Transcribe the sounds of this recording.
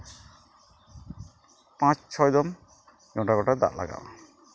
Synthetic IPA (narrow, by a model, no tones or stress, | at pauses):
pãt͡ʃt͡ʃʰɔjd̪ɔm | ɡɔ̃ʈaɡɔʈad̪a̰ʔla̰ɡa̰w